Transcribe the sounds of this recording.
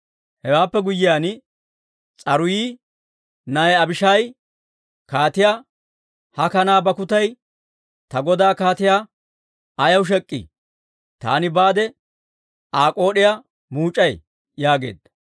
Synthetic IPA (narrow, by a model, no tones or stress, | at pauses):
hɛwaːpːɛɡʊjːɪjaːn | t͡sʼɐɾʊjiː | nɐɛɐbɪʃɐj | kaːt̪ɪjaː | hɐkɐnaːbɐkʊt̪ɐj | t̪ɐɡɔd̪aːkaːt̪ɪjaː | ɐjɐwʃ̬ɛkʼːɪ̰ | t̪a̰ːnɪbaːd̪ɛ | aːkʼo̞ːɗɪja | muːt͡ʃʼːɐj | jaːɡe̞̰ːd̪ɐ̥